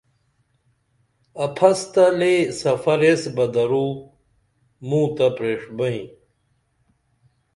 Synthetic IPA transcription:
ɐpʰɐst̪ɐlesɐfɐɾesbɐd̪ɐɾuː | mũːt̪ɐpɾeːʂbɐĩ

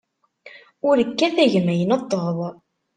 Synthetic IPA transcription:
ʊɾəkːæθæʝəmæjənət̪ˤːəðˤ

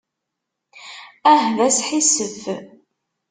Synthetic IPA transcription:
æɦlæsħisəf

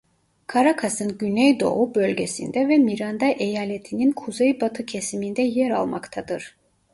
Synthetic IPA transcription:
kʰaɾakʰasɯnɟynɛjd̪o̞̰ubølʲɟesḭnd̪ɛvɛmiɾand̪aʔejaːlʲet̪ʰininkʰuzejbat̪ʰɯcʰesimind̪ɛjɛɾalˠmakt̪ʰad̪ɯɾ̥

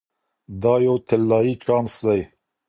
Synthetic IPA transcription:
d̪ɑːjoːt̪ʰelːɑːit͡ʃɑːnsd̪ɐj

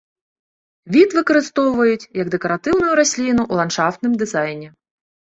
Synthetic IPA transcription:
ʋʲid̪ʋɪkɔɾɪst̪ɔʋʊjʊtʲjɐɡd̪ekɔɾɐt̪ɪwnʊjʊɾɔsʲlʲinʊʔulˠɐnʃɑft̪nɪmd̪ɪzɑjnʲi

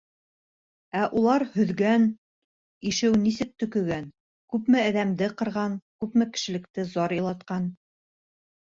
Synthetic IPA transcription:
æʔulˠɑɾhɵ̆ðɡæn | iʃɘwnisɘk̚t̪ɵ̆kɵ̆ɡæn | kʉpmɘæðæmd̪ɘqɤ̆ɾʁɑnkʉpmɘkɘ̥̆ʃɘ̆lɘ̆k̚t̪ɘzɑɾjɤ̆lˠɑt̪qɑn

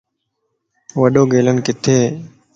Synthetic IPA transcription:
ʋəɗoːɡeːlənkɪt̪ʰeː

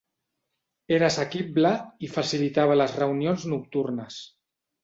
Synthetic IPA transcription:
eɾasəkibləifasilit̪aβ̞ələzrəunionznuk̚t̪urnəs

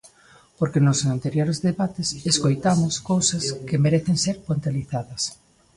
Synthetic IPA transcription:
poɾkenʊsŋant̪eɾjoɾezðeβat̪ɪseskojt̪amʊskowsɐskemeɾeθeŋseɾpont̪eliθaðɐs

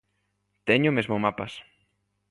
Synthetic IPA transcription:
t̪eɲʊmezmomapas

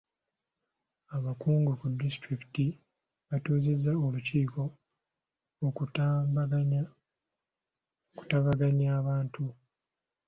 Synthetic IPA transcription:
aβakuːŋɡukudːistɾikiti | βatuːze̞zːaoluciːko̞ | oku̥taβaɡaɲaːβaːntu

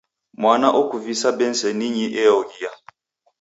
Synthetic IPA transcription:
mwanaʔɔkuvisabɛn̩sɛniɲiʔɛɔɡija

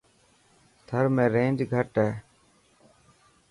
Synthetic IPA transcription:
t̪ʰəɾmẽːɾẽːnd͡ʒɡʱəʈɦɛː

